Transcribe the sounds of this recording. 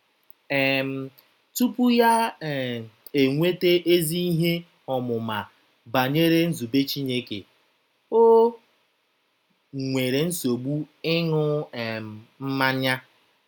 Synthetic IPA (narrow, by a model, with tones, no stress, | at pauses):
ɛ˨m̩˨ | tu˦pu˦ja˦˨ | e˨ŋʷe˦te˦ʔe˦zi˦i˦ɦe˦ | ɔ˨mʊ˨ma˨ | ba˨ɲe˦ɾe˦n̩˦zu˨be˦t͡ʃi˦ne˦kḛ˨ | o˦ | ŋʷe˨ɾe˨n̩˦so˨ɡ͡bu˦ɪ˦nʊ˦˨ | m̩˦ma˦ɲa˦